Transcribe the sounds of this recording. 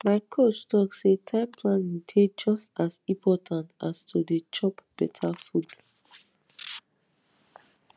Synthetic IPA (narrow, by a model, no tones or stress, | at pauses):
maɪkʰot͡ʃtɔksetʰãɪ̃mpʰlãnĩdʰed͡ʒɔstasĩpʰɔtʰãntastʰudet͡ʃɔpb̥ɛtʰafud